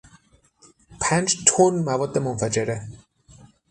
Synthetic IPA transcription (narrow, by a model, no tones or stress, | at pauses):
pʰænt͡ʃt̪ʰonmævɔːd̪ːemonfæd͡ʒeɾe